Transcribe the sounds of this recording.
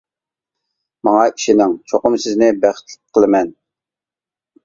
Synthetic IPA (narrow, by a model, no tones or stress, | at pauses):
mɑŋɑiʃinɪŋt͡ʃʰoqʊmsɪznɪbæχɪ̥t̪ʰlɪ̥qʰəlˠɨmɛn